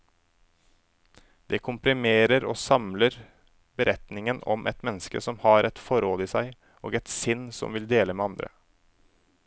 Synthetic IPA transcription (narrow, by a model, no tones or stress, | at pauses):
d̪ɛːkʰʊmpɾɪmeːɾəɾo̰ːsɑmləɾ | bəɾʔɛt̪nɪŋənɔ̰mʔɛt̪mɛnːəskəsɔmhɑːɾʔɛt̪fɔɾoːd̪əiːsæɪ | ʔo̰ːɡɛt̪sɪnːsɔ̰mʋɪld̪eːləmeːɑnd̪ɾə̰